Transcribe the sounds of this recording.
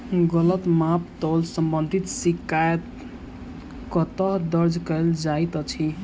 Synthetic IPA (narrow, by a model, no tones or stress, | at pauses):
ɡʌlət̪mapt̪ɔlsəmbənd̪ʱit̪sikaet̪ | kɔt̪ʌɦd̪ʌɾd͡ʒkəeld͡ʒait̪ʌt͡ʃʰi